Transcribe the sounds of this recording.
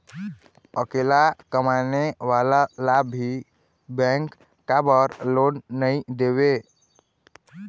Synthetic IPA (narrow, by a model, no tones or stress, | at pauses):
əkelakəmaneʋalalabʱi | bɛ̃ŋkː | abəɾlonːəid̪eβe